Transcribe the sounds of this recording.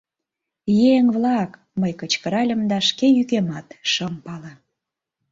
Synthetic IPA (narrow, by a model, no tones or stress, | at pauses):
jeŋβlɑk | məjkət͡ɕkəɾɑlʲə̆md̪ɑʃkejykemɑt̪ʃəmpɑlɑ